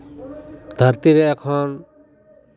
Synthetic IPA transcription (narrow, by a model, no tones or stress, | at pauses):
d̪ʱəɾt̪iɾɛːkʰɔn